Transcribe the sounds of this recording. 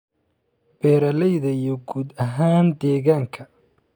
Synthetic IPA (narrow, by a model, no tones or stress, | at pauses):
b̥ɛːɾɐlɛjðɐijɞɡuːd̪ɐɦaːnd̪ɛːɣaːŋkʰɐ